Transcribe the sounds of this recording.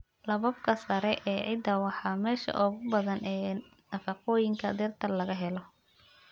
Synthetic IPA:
lɐβɐb̚kʰɐsɐɾɛʔɛːʕɪd̪ɐwɑħɑːmɛːʃɐ̰ʔɔɣʊbɐðɐnʔɛː | nɐfɐqɔːjɪŋkʰɐd̪ɪrt̪ʰɐlɐɣɐɦɛlɔ

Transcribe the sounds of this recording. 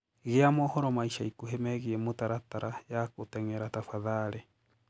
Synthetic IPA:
ɣeamɔhɔɾɔmaiʃaikuɦemɛɣiɛmutaɾataɾʔajakotɛŋɛɾatafaðaɾe

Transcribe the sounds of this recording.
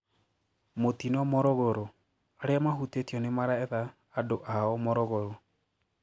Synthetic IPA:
motinɔmɔɾɔɣoɾo | aɾeamaɦutetiɔnemaɾaɛðaː | doʔaɔmɔɾɔɣoɾo

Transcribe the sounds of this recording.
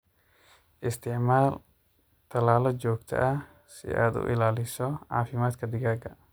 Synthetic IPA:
ʔɪst̪ʰɪʕmaːl | t̪ʰɐlaːlɔt͡ʃɔːɡt̪ʰɐ̰ʔɐ | sɪ̰a̰ːd̪ʊ̰ʔɪ̰laːlɪsɔʕɑ̰ːfɪmaːd̪kʰɐd̪ɪɣaːɡɐ

